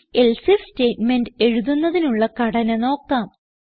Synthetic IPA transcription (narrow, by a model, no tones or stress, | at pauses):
e̞lsifsteːtmenɖɨe̞ɻuðunːɐðinuɭːɐkɐɽɐnɐno̞ːkːaːm